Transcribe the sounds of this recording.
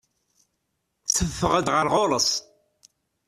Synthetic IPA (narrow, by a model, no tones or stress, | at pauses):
t͡sːəvːəʁəd̪ʁəɾʁoləsˤ